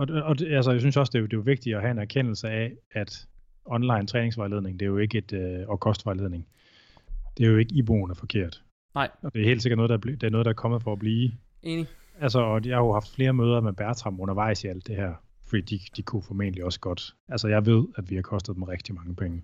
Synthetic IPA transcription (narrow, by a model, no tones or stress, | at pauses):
ɒ̽ɒ̽æls̬əjas̬ynsjɒ̽sd̥e̝d̥e̝ʋʋe̝ɡ̥̚d̥iɒɦæe̝næɐkʰen̰l̩səææd̥ | ɒ̽nlɑ̈ɪnt͡sʰʁɛːne̝ŋsʋɑ̈ɪle̝ð̞ˠne̝ŋd̥e̝jo̝e̝ɡ̥əed̥øɒkʰɒ̽sd̥ʋɑ̈ɪleðˠne̝ŋ | d̥e̝æjoe̝ɡ̥əib̥o̝̰ːn̩æfɒ̽kʰe̝ɐ̰d̥ | ɒ̽d̥e̝æe̝̰ːld̥seɡɐd̥nɔðˠdɑbd̥æɐnoðˠdɑæɐkʰɒ̽mð̩ˠfɒ̽ːb̥liː | ælsəɒjɑ̈ɪhɑohɑ̈fd̥fle̝ːɐmøːð̞ˠɐmeb̥æɐt͡sʰʁɑ̈m̩ɔ̽nɐʋɑ̈ɪ̰siæl̰d̥ːehæɐ̰ | fɒd̥ḭːd̥id̥ikʰufɒmḛːnəliɒ̽sə̥ɡ̥ɒ̽d̥ | ælsəjɑ̈ɪʋe̝ð̞̰ˠæd̥ʋihɑ̈kʰɒ̽sd̥ð̩ˠdm̩eʁeɡ̥̚d̥imɑ̈ŋəpʰeŋə